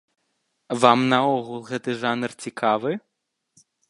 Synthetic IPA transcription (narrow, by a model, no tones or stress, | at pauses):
vamnɐɔɣulˠɣɛt̪ɨʐanɨrt͡sʲikʰavɨ